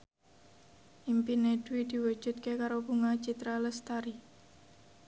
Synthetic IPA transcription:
ʔimpinedwid̪̥i̤wu̥d͡ʒ̥ṳt̪̚kekaɾobuŋḁt͡ʃit̪ɾaləst̪aɾi

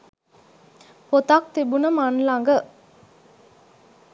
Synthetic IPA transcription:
pot̪ak̚t̪ibunəmanlaŋɡə

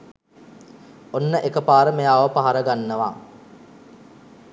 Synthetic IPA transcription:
onːəʔekəpaːɾəmejaːʋəpaɦaɾəɡanːəʋa̰

